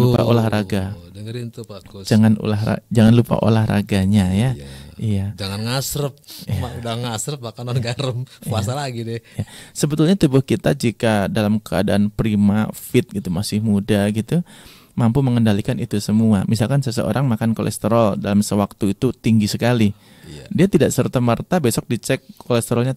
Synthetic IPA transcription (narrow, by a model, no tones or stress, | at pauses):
lupa̰ʔo̰lahraɡaɾint̪ud͡ʒaŋanṵlaha̰d͡ʒaŋanlupa̰ʔo̰lahɾa̰ɡaɲajaijad͡ʒaŋanŋasɾəp̚iadanŋasɾəp̚makananɡaɾəmpuasalaɡidɪjasəbət̪ulɲat̪ubʊhkit̪a̰d͡ʒikadalamkəa̰daanpɾimafɪt̪̚ɡit̪umasɪhmudaɡit̪u | mampuməŋəndalikanit̪usəmuamis̬alkansəsəo̰ɾaŋmakanko̰lʔɛ̰st̪eɾɔldalamsəwak̚t̪uit̪ut̪iŋɡisəkali | diat̪idaʔsərt̪amərt̪abesɔk̚dit͡ʃɛkːolɛst̪eɾɔlɲa